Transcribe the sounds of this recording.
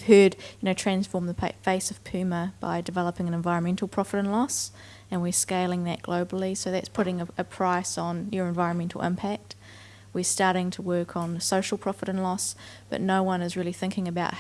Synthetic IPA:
v̥hɜ˞djɨnoʊtʰɹ̥æ̃nsfɔɹmðəpʰæ̰feɪsʌv̥pʰʉməb̥a̰ɪdɨvɛlˠəpɪ̃ŋɨ̃nɨ̃ɱvaɪɹə̃nmɛ̃ntʰˡl̩ˠpʰɹ̥ɑfəɾɨ̃nlɔs | ɨ̃nwɪɹskeɪlˠɪ̃ŋðɨ̰t̚ɡ̥loʊbl̩ˠisoʊðætspʰʊɾɪ̃ŋɨʔɨpʰɹ̥aɪsn̩jə˞ɨ̃ɱvaɪɹə̃nmɛ̃ntʰˡl̩ˠɪ̰̃mpʰæk̚t̚ | wɪɹstɑɹɾɪ̃ŋtʰəwɜ˞kʰn̩soʊʃl̩ˠpʰɹ̥ɑfəɾɨ̃nlɔsb̥ʌ̰ʔⁿnoʊwʌ̃nɨzɹɪlˠiθɪ̃ŋkɪ̃ŋɨbaʊʔ̚

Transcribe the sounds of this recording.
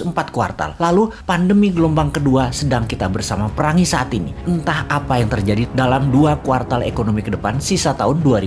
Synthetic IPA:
əmpat̪̚kua̰rt̪a̰lːalupandəmiɡəlombaŋkəduasədaŋkit̪abərsamapəɾaŋisaat̪iniənt̪ahapajaŋt̪ərd͡ʒadidalamduakuart̪alḛkonomikədəpansisat̪aʊnduaɾi

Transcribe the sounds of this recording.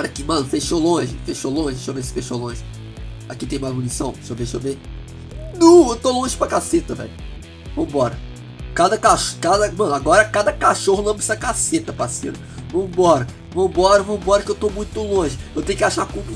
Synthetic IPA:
ɔɾɐkɪmɐ̃nʊfeʃolõʒɪfeʃolõʒɪʃovesɪ̥feʃolõʒɪ | akit̪ẽj̃mazmunisɐ̰̃w̃ʃoveʃove | nɐ̃w̃ewt̪olõʒɪpɾɐkaset̪ɐvɛ̰jʊ | vɐ̃mʊbɔɾɐ | kad̪ɐkaʃkad̪ɐmɐ̃nʊaɡɔɾɐkad̪ɐkaʃohʊlɐ̃mbɪsɐkaset̪ɐpɾasḛnʊ | vɐ̃mʊbɔɾɐ | vɐ̃mʊbɔɾɐvɐ̃mʊbɔɾɐkɪewt̪omũj̃t̪ʊlõʒɪewt̪ẽjʊkɪaʃakũmu

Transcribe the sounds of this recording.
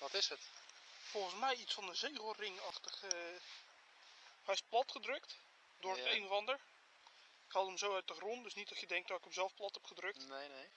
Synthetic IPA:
ʋɑtɪsətfɔlˠχənsmɛjitsfɑndəzejɣəlˠrɪŋɑχtəχə | hɛjɪsplɑtχədrɵkt | dʊːɹətejnəvɑndəɹ | ɪkhɑlˠəmzowœɥt̚dəχrontdɵsnitɔsjədɛŋk̚dɔtɪkəmzɛlˠfplɑtɛpχədrɵk̚t

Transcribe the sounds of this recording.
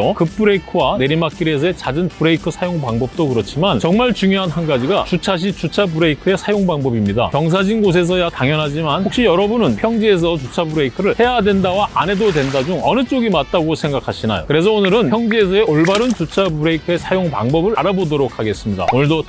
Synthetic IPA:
ʌkɯpʰɯɾe̞ikʰɯwane̞ɾimak͈̚iɾe̞s̬ʰʌe̞t͡ɕad͡ʑɯnpɯɾe̞ikʰɯsʰajoŋpaŋbʌp̚t͈okɯɾʌt͡ɕʰimant͡ɕʌŋmaɭt͡ɕuŋjoɦanhanɡad͡ʑiɡat͡ɕut͡ɕʰaɕ̬ʰit͡ɕut͡ɕʰabɯɾeikʰɯe̞sʰajoŋbaŋbʌbimɲida̰kjʌŋs̬ʰad͡ʑinɡos̬ʰe̞s̬ʰʌjataŋjʌnɦad͡ʑimanok̚ɕ͈ijʌɾʌbunɯnpʰjʌŋd͡ʑie̞s̬ʰʌt͡ɕut͡ɕʰabɯɾe̞ikʰɯɾɯɭhe̞jadwe̞ndawaʔa̰ne̞dodwe̞ndad͡ʑuŋʌnɯt͡ɕ͈oɡimat̚t͈aɡosʰe̞ŋɡakʰaɕʰina̰jo̰kɯɾe̞s̬ʰʌonɯɾɯnʰjʌŋd͡ʑie̞s̬ʰʌe̞oɭbaɾɯnt͡ɕut͡ɕʰabɯɾe̞ikʰɯe̞sʰajoŋpa̰ŋbʌbɯɾaɾabodoɾok̚ʰaɡe̞s͈ɯmɲida̰onɯɭdʌ

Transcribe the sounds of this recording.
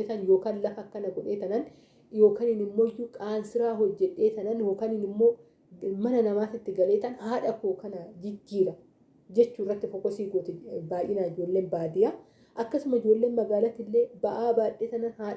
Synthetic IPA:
et̪ɐnjo̞ːkaːnlɐfɐkːɐnɐɡɔᶑeːt̪ɐnɐn | jo̞ːkaːnɪnɪmːo̞ːɪjːukʼaːnsɪɾaːɦɔd͡ʒːɛᶑe̞ːt̪ɐnɐnjoːkaːnɪnɪmːo̞ː | mɐnɐnɐmaːt̪ɪt̪ːɪɡɐleːt̪ɐnhaːᶑɐkoːkɐnɐd͡ʒɪd͡ʒːiːɾɐ | d͡ʒɛt͡ʃːuːɪrːɐt̪ːɪfɔkːɔsiːɡot̪ɛbaːʔɪnaːɪd͡ʒo̞ːlːe̞ːnbaːd̪ɪja | ʔɐkːɐsʊmɐɪd͡ʒo̞ːlːe̞ːnmɐɡaːlɐt̪ɪlːe̞ːbɐʔaːbaːᶑːeːt̪ɐnɐnhaː

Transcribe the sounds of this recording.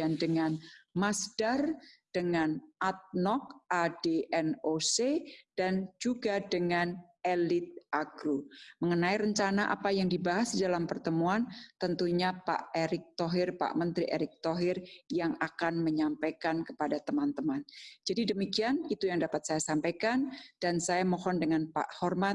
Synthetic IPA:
andəŋanmasd̥ard̥əŋanʔat̪̚nɔk̚adeʔɛnosed̥and͡ʒuɡadəŋan | elɪt̪̚ʔaɡɾuməŋənaiɾəɲt͡ʃanaʔa̰pajaŋdibaɦasdalampərt̪əmuant̪ənt̪uɲapa̰ʔeɾɪk̚t̪ɔɦɪrpa̰ʔmənt̪ɾiʔeɾɪk̚t̪ɔɦɪrjaŋakanməɲampajkankə̥padat̪əmant̪əmand͡ʒadidəmikianit̪ujaŋdapat̪̚sajasampajkand̥ansajamɔhɔndəŋanpa̰ʔhɔrmat̪̚

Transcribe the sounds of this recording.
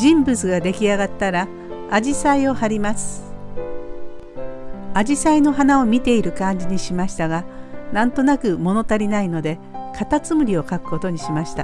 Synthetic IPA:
d͡ʑĩmbɯt͡sɨɡad̪e̞kʲiaɡat̪ːaɾaː | ʑisaio̞haɾʲimasɨ̥ | ad͡ʑisaino̞ɦanao̞mʲit̪e̞iɾɯ̟kãɲ̟d͡ʑiɲ̟iɕimaɕi̥t̪aɡanãnt̪o̞nakɯ̟mo̞no̞t̪aɾʲinaino̞d̪e̞ | kʰat̪at͡sɨmɯ̟ɾʲio̞kakɯ̟̥ko̞t̪o̞ɲ̟iɕimaɕi̥t̪a̰

